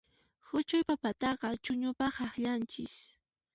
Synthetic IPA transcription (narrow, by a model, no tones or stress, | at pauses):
hʊt͡ʃʊjpapat̪ɑɢɑt͡ʃʊɲʊpɑχɑχʎant͡ʃɪs